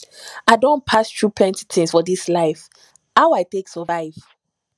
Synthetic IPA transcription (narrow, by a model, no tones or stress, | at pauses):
aɪdõnpʰastɹupʰlɛ̃nti̥tʰĩnsfɔdislaɪf | haʊaɪteksɔvaɪv̥